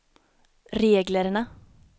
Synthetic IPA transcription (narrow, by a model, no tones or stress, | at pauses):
ɾeːɡləɾnə